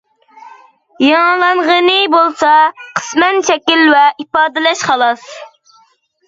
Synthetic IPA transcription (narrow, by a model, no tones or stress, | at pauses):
jɑlˠɑɴʁənɨbolˠsɑqʰə̥smɛnʃɛkʲilvɛʔipɑːd̪ɪlɛʃχɑlˠɑs